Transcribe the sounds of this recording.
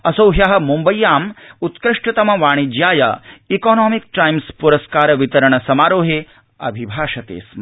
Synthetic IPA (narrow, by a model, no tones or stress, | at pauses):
ɐsowɦjɐɦɐ̆mumbɐjːaːmut̪kɾɪʂʈɐt̪ɐmɐʋaːɽ̃id͡ʒjaːjɐ̰ikoːnɔːmik̚ʈajmspuɾɐskaːɾɐʋit̪ɐɾɐɳ̃ɐsɐmaːɾoːɦe | ɐ̰bʱibʱaːʂɐt̪ḛːsm